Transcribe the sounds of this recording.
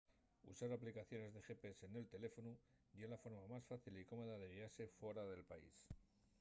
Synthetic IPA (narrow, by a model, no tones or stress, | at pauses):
ṵsaɾaplikaθjo̞ne̞zðe̞xe̞pesene̞lt̪e̞le̞fo̞nu | delafo̞ɾmamasfaθiliko̞mo̞ðaðe̞ɣiaɾse̞fwe̞ɾaðe̞lpaḭs